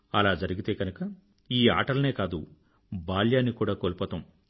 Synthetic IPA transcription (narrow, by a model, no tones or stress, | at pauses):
ɐlaːd͡ʒɐɾiɡit̪e̞ːɡɐnukɐ | iːa̰ːʈɐɾlɐne̞ːkaːd̪u | baːljaːnikuːɽaːkoːlipɔːt̪ɐm